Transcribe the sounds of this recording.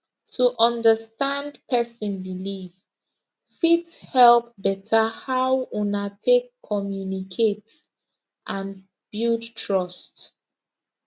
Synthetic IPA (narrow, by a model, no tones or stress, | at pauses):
tʰuʔɔ̃ndəstãndpʰɛsə̃nbiliv | fithɛlp̚bɛtʰəhawũnatʰekʰːɔmjunikʰets | ʔãn | b̥udtʰɹɔst